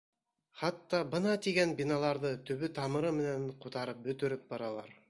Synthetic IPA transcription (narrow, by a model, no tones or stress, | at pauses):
χɑt̪ːɑbɤnɑt̪iɡænbinɑlˠɑɾðɤt̪ɵ̆βɵt̪ɑmɤ̆ɾɤmɘ̆nænqut̪ɑɾɤp̚bɵ̆t̪ɵ̆ɾɘp̚bɑɾɑlˠɑ̰ɾ